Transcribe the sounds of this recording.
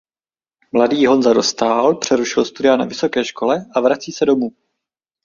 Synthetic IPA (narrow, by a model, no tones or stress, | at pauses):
mladiːɦo̞nzado̞st̪aːlpr̝̥ɛɾuʃɪlst̪udɪana̰vɪso̞kɛːʃko̞lɛʔavɾat͡siːsɛdo̞muː